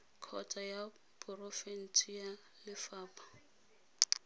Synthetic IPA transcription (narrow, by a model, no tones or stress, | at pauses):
kʰɔtʼaja | pʊrofen̩t͡sʰʼia | lɪfaːpʰʼḁ